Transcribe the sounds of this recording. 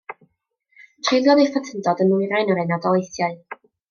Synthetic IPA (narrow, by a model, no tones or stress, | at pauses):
tʰrejlˠjɔðejfatʰəndɔdənujɾajnɔɾenadɔlˠejθjaɨ